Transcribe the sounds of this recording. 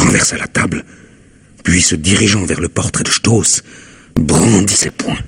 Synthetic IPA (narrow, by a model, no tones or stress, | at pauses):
ʁɑ̃vɛʁsalat̪abl | pɥisəd̪iʁiʒɑ̃vɛʁləpɔʁt̪χɛd̪əʃt̪os | bʁɑ̃d̪isɛpwɛ̃